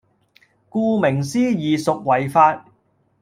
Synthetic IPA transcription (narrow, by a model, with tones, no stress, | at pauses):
kuː˧mɪ˨˩ŋsiː˥jiː˨sʊ˨k̚wɐ˨˩jfaː˧t̚